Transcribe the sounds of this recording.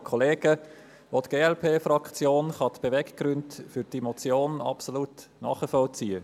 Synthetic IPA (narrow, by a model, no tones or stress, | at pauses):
kʰɔleːɡ̥ə | ʋot̪ɡ̥eːɛlpʰeːfɾɑkt͡sjoːnχɑt̪b̥evɛkɡ̥ɾʏntfyɾdimot͡sjoːnɑ̰psolut | nɑ̰ːχəfɔlt͡siːə